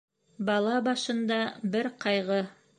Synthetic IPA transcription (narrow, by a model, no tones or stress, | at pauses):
bɑlˠɑbɑʃɤ̆nd̪ɑbɘɾqɑjʁɤ